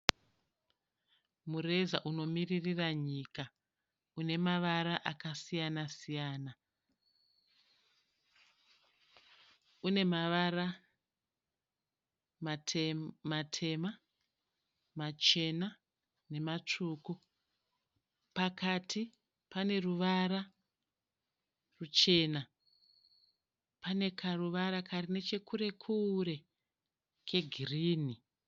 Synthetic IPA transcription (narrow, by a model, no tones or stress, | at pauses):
mure̞zaʔuno̞miririraɲiːka | une̞maʋaɾaʔakasijanasijaːna | une̞maʋara | matʰe̞ma | mat͡ʃe̞na | ne̞mat͡ʂuːku | pakatʰi | pane̞ruʋaɾa | rut͡ʃe̞ːna | pane̞kʰaruʋaɾakʰarine̞t͡ʃe̞kʰuɾe̞kʰuːɾe̞ | ke̞ɡʱiriːni